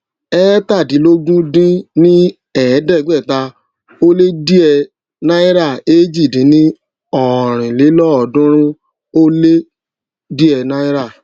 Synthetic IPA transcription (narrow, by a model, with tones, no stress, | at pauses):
ɛ˦ta˦˨dĩ˨˦lo˦ɡũ˦dĩ˦nĩ˦ | ɛ˨˦dɛ˦˨ɡ͡bɛ˦˨ta˧ | o˦le˦di˦ɛ˧ | nã˦i˦ɾa˦˨e˦d͡ʒi˦˨dĩ˨˦nĩ˦ | ɔ˦˨ɾ̃ĩ˨le˨˦lɔ˦ɔ˨dũ˦ɾ̃ĩ˦ | o˦le˦ | di˦ɛ˧na˦i˦ɾa˦˨